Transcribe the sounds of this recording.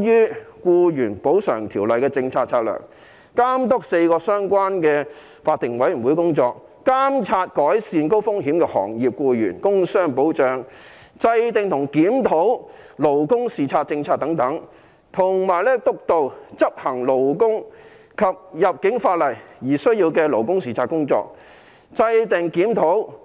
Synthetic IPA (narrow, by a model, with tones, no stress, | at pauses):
jyː˥kuː˧jyː˨˩npo˨˥wsœ̰ː˨˩ŋt̪ʰiː˨˩wlɐ˨jkɛː˧t͡sɪ˧ŋt͡sʰaː˧t̚t͡sʰaː˧˥t̚lœ̰ː˨˩ŋ | kaː˥mt̪ʊ˥k̚se˧jkɔː˧sœː˥ŋkʷaː˥nkɛː˧ | faː˧t̪ːɪ˨˩ŋwɐ˨˥jy˨˩nwuː˨˥jkʊ˥ŋt͡sɔː˧k̚ | kaː˥mt͡sʰaː˧t̚kɔː˨˥jsiː˧nko˥wfʊ˥ŋhiː˨˥mkɛː˧hɔ̰ː˨˩ŋjiː˨p̚kuː˧jy̰ː˨˩nkʊ˥ŋsœː˥ŋpo˨˥wt͡ʃœː˨ŋ | t͡sɐ˧jt̪ɪ˨ŋt̪ʰʊ˨˩ŋkiː˨˥mt̪ʰo˨˥w | lo˨˩wkʊ˥ŋsiː˨˩t͡sʰaː˧t̚t͡sɪ˧ŋt͡sʰaː˧t̚t̪ɐ˨˥ŋt̪ɐ˨˥ŋ | t̪ʰʊ˨˩ŋmaː˨˩jlɛː˥t̪ʊ˥k̚t̪o˨wt͡sɐ˥p̚hɐ˨˩ŋlo˨˩wkʊ˥ŋ | kʰɐ˨p̚jɐ˨p̚kɪ˨˥ŋfaː˧t̚lɐ˨˩jjiː˨˩sɵ˥ɥjiː˧wkɛː˧lo˨˩wkʊ˥ŋsiː˨t͡sʰaː˧t̚kʊ˥ŋt͡sɔ̰ː˧k̚ | t͡sɐ˧jt̪ɪ˨ŋkiː˨˥mt̪ʰo˨˥w